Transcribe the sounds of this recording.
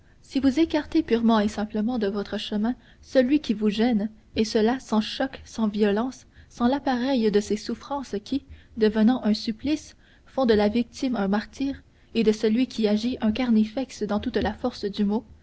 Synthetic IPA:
sivuzekaʁt̪epyʁmɑ̃esɛ̃pləmɑ̃d̪əvɔt̪χəʃəmɛ̃ | səlɥikʲivuʒɛn | esəlasɑ̃ʃɔksɑ̃vijɔlɑ̃sːɑ̃lapaʁɛjd̪əsesufχɑ̃skʲʰid̪əvənɑ̃ʔɛ̃syplis | fɔ̃d̪əlavik̚t̪imɛ̃maʁt̪iːʁ | ed̪əsəlɥikʲʰiaʒiʔɛ̃kaʁnifɛksd̪ɑ̃t̪ut̪lafɔʁsd̪ymo

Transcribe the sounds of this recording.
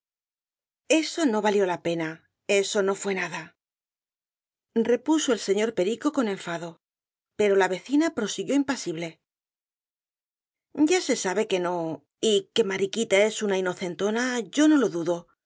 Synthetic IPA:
e̞so̞no̞βaljo̞lape̞na | e̞so̞no̞fwe̞naða | re̞puso̞else̞ɲo̞ɾpe̞ɾiko̞ko̞nẽ̞ɱfaðo̞ | pe̞ɾo̞laβe̞θinapɾo̞siɣjo̞impasiβle̞ | ɟ͡ʝase̞saβe̞ke̞no̞ | ike̞maɾikit̪ae̞sunaino̞θe̞nt̪o̞naʝo̞no̞lo̞ðuðo̞

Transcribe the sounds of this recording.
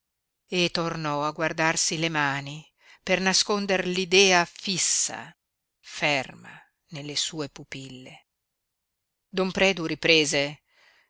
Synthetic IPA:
et̪ːornɔaɡward̪arsilemaːni | pernaskond̪erlid̪ɛːafisːa̰ | fɛrma̰ | nelːesuːepupilːe | d̪ompɾɛːd̪uɾipɾeːze

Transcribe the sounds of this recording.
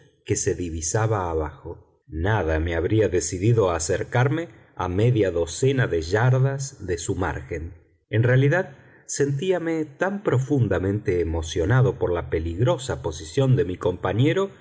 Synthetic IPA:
kese̞ðiβisaβaːβaxo̞ | naðame̞aβɾiaðesiðiðo̞aseɾkaɾme̞ | a̰meðjaðo̞senaðeʒaɾðazðesuma̰ɾxe̞n | enrealiðað | se̞nt̪̬iamet̪ampɾo̞fund̪amẽnt̪eːmo̞sjo̞naðo̞poɾlapeliɣɾo̞sapo̞sisjo̞nd̪emiko̞mpaɲeɾo̞

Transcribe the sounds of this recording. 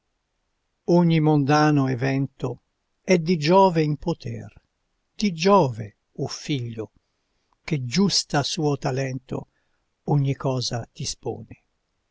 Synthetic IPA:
oɲːimond̪aːnoevɛnt̪o | ɛd̪id͡ʒɔːveimpot̪ʰɛ̰r | d̪̥id͡ʒɔːve | ufiʎːo | k̟ed͡ʒust̪asuːot̪alɛnt̪o̰ | oɲːikɔːzat̪ispo̰ːne

